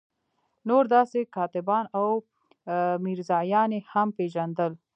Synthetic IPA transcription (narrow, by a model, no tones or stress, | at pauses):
noɾd̪ɑsekɑt̪ɪbɑnaw | miɾzɑjɑnehampeʒand̪əl